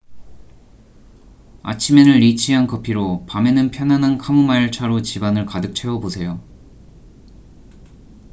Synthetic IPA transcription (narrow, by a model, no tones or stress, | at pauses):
a̰t͡ɕʰime̞nɯɭːit͡ɕʰiɦankʌpʰiɾopame̞nɯnpʰjʌnanankʰamumaiɭt͡ɕʰaɾot͡ɕibanɯɭkadɯk̚t͡ɕʰe̞wʌbosʰe̞jo